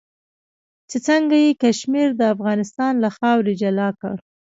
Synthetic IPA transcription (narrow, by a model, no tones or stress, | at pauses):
t͡set͡səŋɡajekaʃmiɾd̪əafɣɑnɪst̪ɑnlaxɑwɾed͡ʒalɑkə̰ɽ